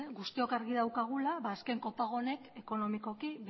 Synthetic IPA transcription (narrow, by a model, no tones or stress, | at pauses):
ɣust̪io̞kaɾɣiðawkaɣ̞ulaβaːske̞ŋko̞paɣ̞o̞ne̞ke̞ko̞no̞miko̞kiβ